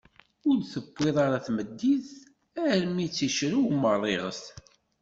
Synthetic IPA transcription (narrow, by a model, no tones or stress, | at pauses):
ʊɾθəbʷːɪðˤɑɾaθməd̪ːið | æɾmit͡sːiʃɾuwmːərˤːeʁə̰st̪